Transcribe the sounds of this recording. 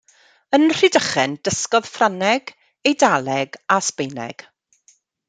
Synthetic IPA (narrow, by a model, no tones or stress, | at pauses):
ənr̥idəχɛndəskɔðfranɛɡ | ejdalˠɛɡaspejnɛ̰ɡ̥